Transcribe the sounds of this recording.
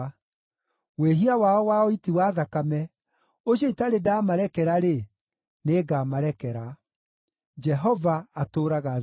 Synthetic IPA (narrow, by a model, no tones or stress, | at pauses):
weɦiawaɔwaɔitiwaðakamɛ | oɕɔitaɾedaːmaɾɛkɛɾaɾe | neːɡamaɾɛkɛɾa | d͡ʒɛɦɔvaːtoɾaɣa